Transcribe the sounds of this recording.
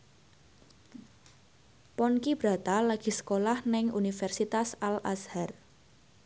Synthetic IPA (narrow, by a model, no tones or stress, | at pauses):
pɔnkib̥ɾa̤t̪alaɡ̥i̤sə̥kolahnɪŋunifɛrsit̪asalashar